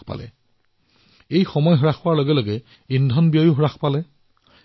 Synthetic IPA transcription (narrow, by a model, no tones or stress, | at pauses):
pa̰lɛ̰ | ejxɔmɔjɦɔɹaxʊwaɹloɡɛloɡɛ | indʱɔnbijojuɦɹaxpalɛ